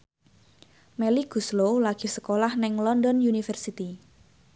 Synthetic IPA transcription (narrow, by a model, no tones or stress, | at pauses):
meliɡ̥ṳslolaɡ̥i̤səkolahnɪŋlɔndɔnjunifərsit̪i